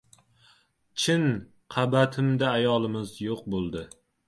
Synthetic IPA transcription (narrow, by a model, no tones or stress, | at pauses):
t͡ʃʰɪn | qʰɑbat̪ʰɪmd̪aːjɒlˠɪmɪzjoq̚bolˠd̪ɪ